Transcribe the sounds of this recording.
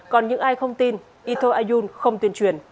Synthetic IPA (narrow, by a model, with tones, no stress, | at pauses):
kɔ˨˩nɲɨ̰˧˥ŋʔaː˧jxə˧wŋ͡mt̪i˧n | ʔi˧t̪ʰo˧ʔaː˧zu˧nxə˧wŋ͡mt̪wi˧ənt͡ɕwḭ˧˨ən